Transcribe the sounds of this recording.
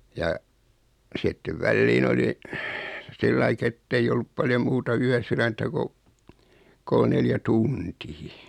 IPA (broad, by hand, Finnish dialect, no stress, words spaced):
jɑ sitːeʋ ʋælːiːn oli silːɑik etːeij olːup pɑljo muːtɑ yæsyræntæ ko kol neljæ tuntiː